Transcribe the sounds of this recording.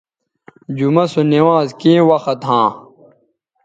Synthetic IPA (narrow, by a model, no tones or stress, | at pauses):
d͡ʑumɐsoniwaːzkĩːwɐxɐt̪ɦãː